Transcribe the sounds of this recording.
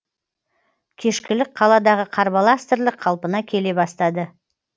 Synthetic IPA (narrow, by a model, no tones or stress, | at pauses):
kʲʰe̞ʃkʲɪlɪk̚qʰɑlˠɑd̪ɑʁəqʰɑɾbɑlˠast̪ɪɾlɪqʰɑlˠpənɑkʲʰe̞le̞bɑst̪ɑd̪ə